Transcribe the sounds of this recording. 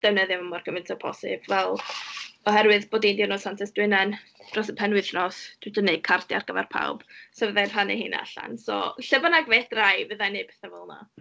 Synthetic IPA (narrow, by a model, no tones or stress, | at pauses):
d̥ɛwnəðjɔməmɔrɡ̥əvɪntʰapʰɔ̰sɨ̰b̥vɛlˠɔhɛɾwɨðboːdindɪwnɔsantʰɛsd̥wɪnɛnd̥rɔsəpʰɛnwɨθnɔsd̥ɪdənːekʰardja̰rɡ̥əva̰rpʰa̰wb̥sɛvəðajrr̥anɛ̰hḭːna̰ɬa̰nsɔ̰ɬəvanaɡvɛdrajvəðajnepɛθəvɔlˠna̰